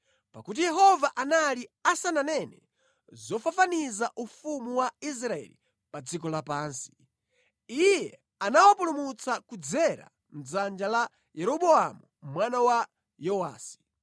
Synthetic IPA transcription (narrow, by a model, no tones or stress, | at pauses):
pakut̬ijɛɦɔvaʔanaliasananɛnɛ | zɔfafanizaʔufumuwais̬ɾaɛ̰lḭ | pad͡zikɔlapaːnsi̥ | ijɛ | anawapulumut͡sakud͡zɛɾa̰ | m̩zand͡ʒala | jɛɾɔɓɔamumwanawa | jɔwa̰ːsi̥